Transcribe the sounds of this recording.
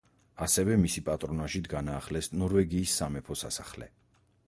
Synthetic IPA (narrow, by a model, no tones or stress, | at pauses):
asɛvɛmisipʼat̪ʼɾɔnaʃid̪ɡanaːχlɛsnɔɾvɛɡiːsːamɛpʰɔsasaχlɛ̰